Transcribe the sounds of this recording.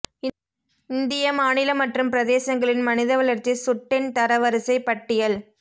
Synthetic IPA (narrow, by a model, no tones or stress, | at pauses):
ɪnd̪ɪjɐmaːnɪlɐmɐʈrɯmpɪɾɐðeːsɐŋɡɐɭɪnmɐnɪðɐʋɐɭɐɾt͡ʃisʊʈːɪnt̪ɐɾɐʋɐɾɯsɐɪpɐʈːɪjɐl